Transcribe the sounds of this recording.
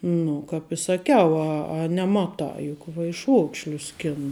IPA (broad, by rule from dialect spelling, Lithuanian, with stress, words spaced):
ˈnʊ kɐp ɪ sɐˈkʲɛʊ ɐ ɐ nʲɛˈmɑːtɑː jʊk ʋɐɪˈʃuɔkʃʲlʲʊs ˈsʲkʲæːnʊ